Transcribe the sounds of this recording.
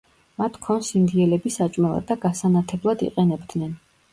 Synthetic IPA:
mat̪ʰkʰɔnsind̪iɛlɛbisat͡ʃʼmɛlˠa̰d̪ːaɡasanat̪ʰɛblˠad̪ḭqʼɛnɛbd̪nɛn

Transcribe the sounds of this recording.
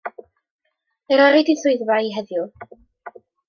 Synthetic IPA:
ɛɾɔɾidiθʊɨðvaiɦɛðjʊ

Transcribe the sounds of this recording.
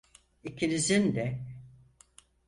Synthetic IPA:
icʰinizind̪ɛ

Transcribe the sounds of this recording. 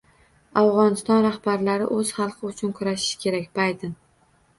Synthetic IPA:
awʁɒnɪst̪ɒnɾahbaɾlaɾɪ̰ʔɵz̥χɑlˠqʰɨʊt͡ʃʰʊnkʰʊɾaʃɪ̥ʃkʲʰe̞ɾakʲb̥ajd̪ɪn

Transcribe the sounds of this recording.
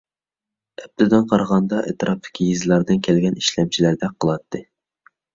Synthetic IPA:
ɛb̚t̪ɨd̪ɨnqʰɑɾʁɑnd̪ɑʔḛt̪ɨɾʔɑp̚d̪ɪ̥kʲʰijizlˠɑɾd̪ɨnkʲʰɛlɡʲɛniʃlɛmt͡ʃʰilæɾd̪ɛk̚qʰːəlˠɑt̪ʰːɨ

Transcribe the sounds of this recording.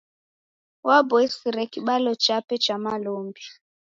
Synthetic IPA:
wabɔisiɾɛkiɓalɔt͡ʃapɛt͡ʃamaloːmbja

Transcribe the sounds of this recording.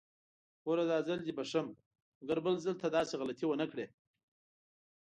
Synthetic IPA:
oɾad̪ɑːzald̪ibaʂam | ɡaɾbəlzəlt̪ʰad̪ɑːseɣalat̪ʰiwənakɽe

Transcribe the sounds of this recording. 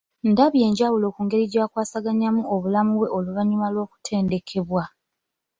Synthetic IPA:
ndaβje̞ːɲɟawulo̞ːkuːŋɡe̞ɾiɟaːkwaːsaɡaɲamuo̞βulamuβwe̞ʔo̞luβaɲumalwo̞ːku̥tʰe̞ːnde̞kʰe̞βwa

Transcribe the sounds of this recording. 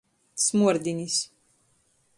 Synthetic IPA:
smuɔɾd̪ʲinʲis

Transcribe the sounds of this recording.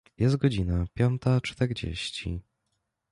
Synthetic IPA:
jɛst̪̚ɡɔd͡ʑinapʲjɔnt̪at͡ʂt̪ɛɾd͡ʑḛɕt͡ɕḭ

